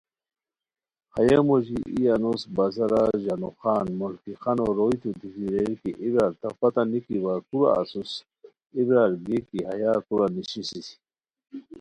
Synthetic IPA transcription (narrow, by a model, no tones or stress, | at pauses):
hajamoʑiʔijanosbazaɾaʑanoxaːnmolkixanoɾojt̪ut̪isiɾeɾkiʔibɾalt̪afat̪anikiwakuɾa̰a̰sus | ibɾaɾɡekihajakuɾaniɕisisi̥